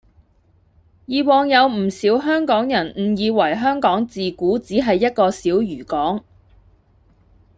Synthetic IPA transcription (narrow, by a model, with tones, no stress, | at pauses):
jiː˨˧wɔː˨˧ŋjɐ˨˧wm̩˨˩siː˨˥wɦœː˥ŋkɔː˨˥ŋjɐ˨˩nm̩˨˩jiː˨˧wɐ˨˩jɦœː˥ŋkɔː˨˥ŋt͡siː˨kuː˨˥t͡siː˨˥ɦɐ˨jːɐ˥t̚kɔː˧siː˨˥wjyː˨˩kɔː˨˥ŋ